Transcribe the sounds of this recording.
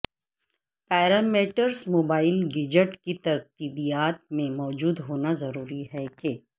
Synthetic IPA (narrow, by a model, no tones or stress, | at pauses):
pɛːɾameːʈəɾsmoːbaːɪlɡɪd͡ʒəʈkit̪ɐɾkt̪iːbijaːt̪̚mẽmɔːd͡ʒuːd̪ɦoːnazɐɾuːɾiɦɛke